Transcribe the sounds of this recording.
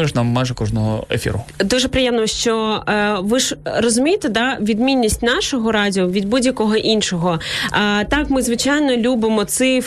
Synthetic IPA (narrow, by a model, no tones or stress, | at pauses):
ɪʃnamːajʒɛkɔʒnɔɦɔ̰ḛfʲḭɾʊd̪uʒɛpɾɪjɛmnɔʃt͡ʃɔʋɪʒrɔzʊmʲijet̪ed̪ɑʋʲid̪mʲinʲːisʲtʲnɑʃɔɦɔɾɑdʲiɔʋʲid̪̚budʲjɐkɔɦɔʔinʃɔɦɔ | t̪ɑkmɪzʋɪt͡ʃɑjnɔlʲubɪmɔt̪sɪ